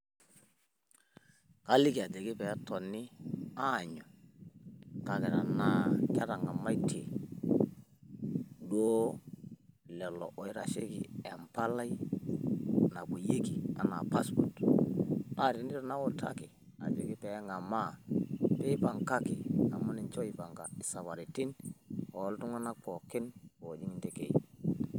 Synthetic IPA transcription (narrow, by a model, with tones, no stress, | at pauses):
ka˦lɪ˦ki˨a˨d͡ʒe˨ɡɪ˦pɛ˨˦tɔ˨nɪ˦a˦˨ɲɔ˨ | ka˨kɛ˨ɾa̰˨na˦kɛ˦ɾa˨ŋa˨ma˦jtʰe˨ | doː˦ | lɛ˨lɔ̰˨ʔɔ˨i˦ɾa̰˨ʃe˦kɪ̰˨ɛ˨mpa˦la˦i˦ | na˨bu˨je˦ki˨a̰˨na̰˨pa˦spɔ˨t | a˦˨ɾi˨ni˦ɾna˦wɔ˦˨tʰa̰˦ki˨ | a̰˨d͡ʒo˨ki˦pɛ˨˦ŋa˨ma˦˨pe˦pa˨ŋka˦ki˨ŋa˨ma˦ni˨nt͡ʃo˦i˨pa˨ŋɡa̰˨i˨sa˨βa˨ɾi˨ti˦nɔ˨˦ltu˦ŋa˦na˦k͡pɔ˨kɪ˦nko˨d͡ʒi˦ŋi˦nte˦kḛ˨